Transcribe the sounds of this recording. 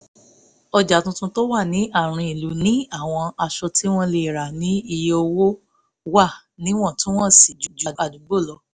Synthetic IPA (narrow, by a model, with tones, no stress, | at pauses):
ɔ˧d͡ʒa˨tũ˧tũ˧to˦wa˦˨nĩ˨˦ʔa˦˨ɾ̃ĩ˧i˨lu˨˦nĩ˨˦a˦˨w̃ɔ̃˧a˧ʃɔ˧tʰi˦w̃ɔ̃˦le˧˨ɾa˨nĩ˨˦i˧jo˧wo˦ | wa˦˨ | nĩ˨˦w̃ɔ̃˦˨tũ˦w̃ɔ̃˦˨si˨d͡ʒu˨d͡ʒu˨a˨d͡ʒu˨˦ɡ͡bo˦˨lɔ˨˧˦